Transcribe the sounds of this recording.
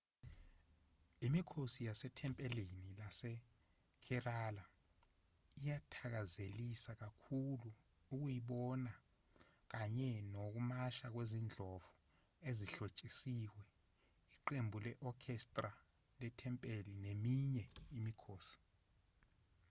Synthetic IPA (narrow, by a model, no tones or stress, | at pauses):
imikʰosijasɛtʰɛmpʼɛlinilasɛ | kʰɛraːla | ijatʰak̬azelisak̬akʰulu | uk̬ujiɓɔna | k̬aɲɛnok̬umaʃak̬wezind͡ɮʱɔv̥u | eziɬot͡ʃʼisiwɛ | iǃembʱulɛʔɔkʰɛstʼra | lɛtʰɛmpʼelinemiɲɛimikʰoːsi̥